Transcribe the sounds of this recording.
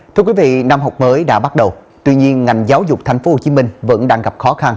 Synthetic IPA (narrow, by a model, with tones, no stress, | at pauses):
t̪ʰɨ˧əkwi˨˦vḭ˧˨na˧mɦa˨˩wk͡p̚məː˨˦jɗa̰ː˧˥ɓa˦˥t̚ɗə˨˩wt̪wi˧ɲi˧ənŋa˨˩jŋ̟zaː˨˦wzʊ˨˩k͡p̚t̪ʰa˨˩jŋ̟fo˨˦ho˨˩t͡ɕi˨˦mï˧ŋ̟və̰˧˥nɗaː˧ŋɣa˨˩p̚xɔ˨˦xa˧n